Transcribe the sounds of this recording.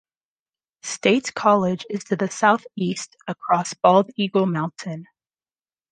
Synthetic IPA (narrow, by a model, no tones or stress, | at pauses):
steɪtskʰɑlˠɪd͡ʒɨz̥tʰɨðɨsaʊθistəkʰɹ̥ɔsb̥ɔlˠdiɡl̩ˠmãʊ̃ntʰɨ̃n